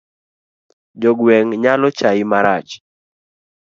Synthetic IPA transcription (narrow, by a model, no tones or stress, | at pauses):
d͡ʒɔɡwɛŋɲalɔt͡ʃaɪmaɾat͡ʃ